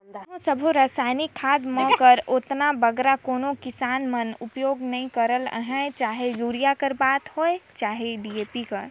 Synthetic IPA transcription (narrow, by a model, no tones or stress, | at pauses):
ɦõsəbʱuɾaːsaːɪnɪkʰːaːd̪mə̃kəɾoːt̪nabəɡɾakoːnõkɪsaːnmənʊpjoːɡnəɦĩkəɾələ̰ɦɛ̃t͡ʃaːɦejuːɾijakəɾbaːt̪ɦoːet͡ʃaːɦeɖieːpikəɾ